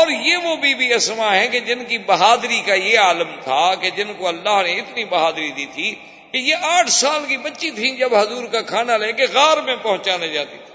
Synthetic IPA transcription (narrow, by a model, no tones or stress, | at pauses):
ɔːɾjeːʋobʱiːbʱiɐsmaɦɛ̃ked͡ʒɪnkibɐɦaːd̪ɾikajeaːləmt̪ʰaked͡ʒɪnkoɐlːaːɦneɪt̪nibɐɦaːd̪ɾid̪it̪ʰi | kejeʔaːʈʰsaːlkibɐtːʃit̪ʰĩd͡ʒɐbɦɐzuːɾkakʰaːnaleːkeɣaːɾmẽpɐɦʊ̃t͡ʃaːned͡ʒaːt̪it̪ʰi̥